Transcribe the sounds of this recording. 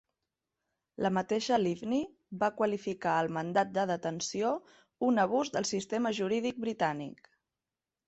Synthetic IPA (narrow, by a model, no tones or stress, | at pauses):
ləmət̪eʃəlivni | bakwəlifikaəlˠmənd̪at̪̚d̪əð̞ət̪ənsio | unəβ̞uzðəlˠsist̪eməʒuɾiðik̚bɾit̪anḭk